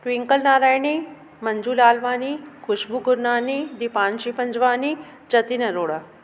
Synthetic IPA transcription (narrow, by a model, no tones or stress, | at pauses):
ʈʋiŋkəlnaːɾaːjni | mənd͡ʒuːlaːlʋaːnikʰuɕbuɡuɾnaːnid̪ipãːnʃipənd͡ʒʋaːni | d͡ʒət̪inɐɾoːɽa